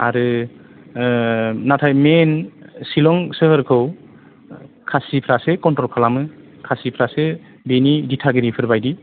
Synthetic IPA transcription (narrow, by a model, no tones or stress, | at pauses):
a̰ɾɯ | natʰajmensilɔŋsɯhɯɾkʰɯw | kʰasipʰɾasekɔntɔlkʰalamɯ | kʰasipʰɾase | beniditʰaɡiɾipʰɯɾbajdi